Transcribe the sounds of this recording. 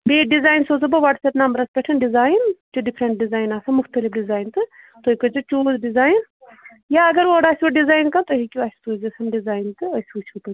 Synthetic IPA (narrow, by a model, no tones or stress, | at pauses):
beːɖizaːjnsoːzɐboʋɐɖsepnɐmbɐɾɐspeʈʰɐnɖizaːjnd͡ʒoɖipʰɾɐɳʈ̚ɖizaːjnaːsɐmʊxt̪ɐlifɖizaːjnt̪ɨ | t̪oːɦikot͡ʃot͡ʃuːzɖizaːjn | jaɐɡɐɾoɽaːsʲuɖizaːjnkɐnt̪oɦikʲuɐssuːzisɐnɖizaːjnt̪ɨɐsut͡ʃʰup̪ɐ